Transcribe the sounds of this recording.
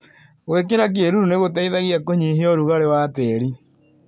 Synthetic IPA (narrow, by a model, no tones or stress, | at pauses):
ɣwekeɾak̬ieɾuɾuneɣotaiðaɣijakoɲiɦeɔɾuɣaɾewateɾi